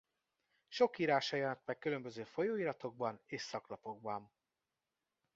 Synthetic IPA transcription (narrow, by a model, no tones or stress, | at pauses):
ʃo̞kiːɾaːʃɒjɒnɒt̪̚mɛkːylø̞mbøzøːfo̞joːiːɾɒt̪o̞ɡ̚bɒneːʃsɒklɒpo̞ɡ̚bɒn